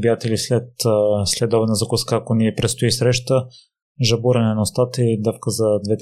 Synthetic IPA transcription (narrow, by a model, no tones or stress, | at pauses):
bijat̪ɛlislɛt̪slɛd̪ɔbɛnəzɐkuskaːkoniɛpɾɛt̪st̪oisɾɛʃt̪ə | ʒɐbuɾɐnɛnɐost̪at̪əid̪əfkəzɐd̪vɛt̪